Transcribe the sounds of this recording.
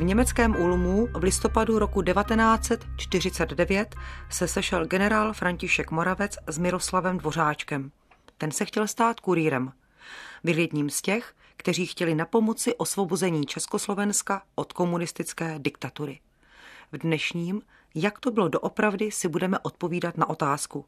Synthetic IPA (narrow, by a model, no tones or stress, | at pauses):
vɲɛmɛt͡skɛːmʔulmuvlɪst̪o̞paduɾo̞kudɛvat̪ɛnaːt͡sɛt̪t͡ʃt̪ɪr̝ɪt͡sɛd̪dɛvjɛt̪sɛsɛʃɛlɡɛnɛɾaːlfɾaɲcɪʃɛkmo̞ɾavɛt͡szmɪɾo̞slavɛmdvo̞r̝aːt͡ʃkɛm | t̪ɛnsɛxcɛlst̪aːt̪kuɾiːɾɛm | vɪljɛdɲiːmscɛx | kt̪ɛr̝iːxcɛlɪnapo̞mo̞t͡sɪʔo̞svo̞bozɛɲiːt͡ʃɛsko̞slo̞vɛnskaʔo̞t̪ko̞munɪst̪ɪt͡skɛːdɪkt̪at̪uɾɪ | vdnɛʃɲiːm | jakt̪o̞bɪlo̞do̞ʔo̞pɾavdɪsɪbudɛmɛʔo̞t̪̚po̞viːdat̪naʔo̞t̪aːsku